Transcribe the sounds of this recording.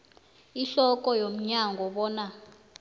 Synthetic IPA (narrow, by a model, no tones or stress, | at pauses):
iɬɔk̬ʼɔjom̩ɲaŋɡʱɔɓɔːna